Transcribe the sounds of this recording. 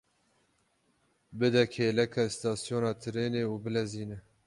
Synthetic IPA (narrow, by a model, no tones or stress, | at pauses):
bɨd̪ɛkʰeːlɛkʰɛst̪ɑːsjoːnɑːt̪ʰɨɾeːneːuːbɨlɛziːnɛ